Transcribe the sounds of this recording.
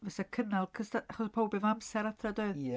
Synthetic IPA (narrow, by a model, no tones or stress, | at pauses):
vɛsakʰənalˠkʰəsaaχɔspʰowbɪvamsɛɾatʰrɔdɔɨ